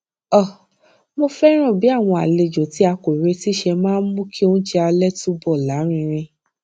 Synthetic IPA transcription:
ɔ˦˨ | mo˧fɛ˦ɾ̃ã˦˨bi˨˦a˦˨w̃ɔ̃˧a˨le˧˨d͡ʒo˨ti˨˦a˧ko˨ɾe˧ti˦ʃɛ˧mãː˦n̩˦mũ˦kʰi˦ũ˦d͡ʒɛ˧a˧lɛ˦tu˦bɔ˦˨la˨˦ɾ̃ĩ˧ɾ̃ĩ˧

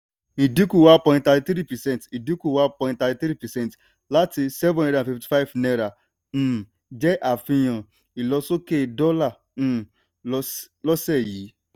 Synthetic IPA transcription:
i˨di˦ku˦wã˦npɔ̃˨˦ɪ̃˦nta˨ti˨t̪ɾi˦pɛ˨sɛ˦n˨ti˨di˦ku˨wã˦npɔ̃˨˦ɪ̃˦nta˨ti˨tɾi˦pɛ˨sɛ˦n˨t | la˦ti˧sɛ˦vɔ̃˦n˦dã˨fi˨fti̥˨˦fa˦ɪ˦vne˦ɾa˨ | m̩˦˨ | d͡ʒɛ˦ʔa˨fi˦jɔ̃˨ | i˨lɔ˦so˦ke˦˨dɔ˦la˨ | m̩˦˨ | lɔ˦se˦˨ji˨˦

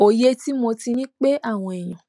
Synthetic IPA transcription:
o˨je˦ti˦mõ˧ti˧nĩ˦k͡pe˦ʔa˦˨w̃ɔ̃˧e˨j̃ã˨

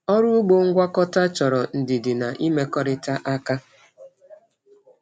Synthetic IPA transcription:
ɔ˦ɾʊ˦ɡ͡bo˦ŋ̩˦ɡʷa˦kɔ˦ta˦t͡ʃɔ˨ɾɔ˨n̩˨dɪ˨dɪ˨na˨ʔi˦me˦kɔ˦ɾɪ˦ta˦ʔa˦ka˦

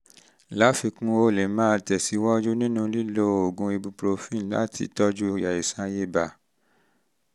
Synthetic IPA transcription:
la˨˦fi˧kũ˦o˧˨le˨mãː˦˧tɛ˨si˨˦wɔ˦d͡ʒu˦nĩ˦nũ˦˧li˦lo˦o˨ɡũ˧i˧bu˧pɾo˧fĩ˦˨la̰˦tʰḭ˧tɔ˦d͡ʒu˦˧˨ja˨e˨sã˧je˦ba˨

